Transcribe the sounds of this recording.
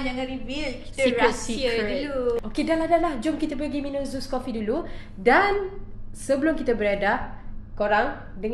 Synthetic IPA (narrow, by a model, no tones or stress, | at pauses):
nd͡ʒaŋaɾibilki̥t̪əsikɾɛt̪ssiəduluokedaladalahd͡ʒʊmkit̪əpəɡiminũzuskofidulu | dansəbəlʊmkit̪əbəɾadaʔkoɾaŋ | dəŋ